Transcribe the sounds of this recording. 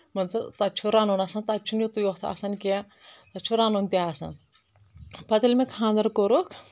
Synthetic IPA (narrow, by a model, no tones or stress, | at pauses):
mɐnt͡sʰut̪at͡ʃʰuɾaːnonasɐnt̪at͡ʃʰunjot̪ujot̪ʰa̰sɐnkʲe | t̪ɐt͡ʃʰuɾaːnont̪ʲaasɐ̰n | pɐt̪ilmekʰãːnd̪ɐɾkoɾokʰ